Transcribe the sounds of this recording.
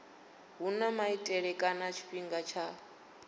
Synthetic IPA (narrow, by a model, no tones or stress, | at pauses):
ɦunamaitʼɛɺɛkʼanat͡ʃʰi̥ɸiŋɡat͡ʃʰa